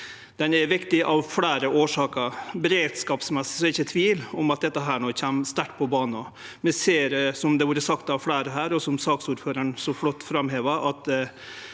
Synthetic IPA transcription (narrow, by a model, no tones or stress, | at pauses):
d̪̥ɛnɛɾʋɪkt̪ɪʔɑʋfɽæːɾəʔoːʂɑːkəɾbɛɾeːd̪skɑːpsmɛsːɪ̥sɔɪçːət̪ʰʋiːlɔmɑt̪̚d̪ɛt̪ːəɦæːɳoːçæmst̪æʈːpʰɔbɑːnnɔ | mɛseːɾsɔmd̪ɛʋuːɾəsɑkt̪ɑʋfɽæːɾəɦæːɾɔsɔmsɑːksuːɾføːɾəɳsɔflɔt̪ːfɾɑmheːʋəʔɑt̪